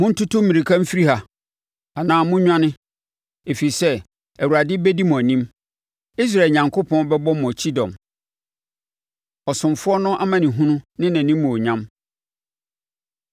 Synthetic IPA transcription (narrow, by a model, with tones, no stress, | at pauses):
mʊ̃˦n̩˦tʰʊ˦tʰʊ˦mĩ˨ɾi˨kʰã˦m̩˦fi˦ɾi˦ha˨ | a˨nãː˨mʊ̃˦ɲᶣã˦nɪ̃˦ | e˨fi˨i˨sɛ˦ | æ˨wu˨ɾa˨dɪ˦bɛ˦di˦mʊ̃˨æ˨nĩ˦m | i˦s̬ɾa˨lɲã˨ŋkʰʊ˦pʰɔ̃˦nbɛ˦bɔ˦m˨t͡ɕʰi˦dɔ̰̃˨m | ɔ˨sʊ̃˨mfʊ˦ɔ˦nʊ̃˦ʔa˦mã˨nɪ̃˨ɦũ˦nʊ̃˦nɪ̃˦nã˨nĩ˦mː˦ʊ̃˨o˨ɲã˦m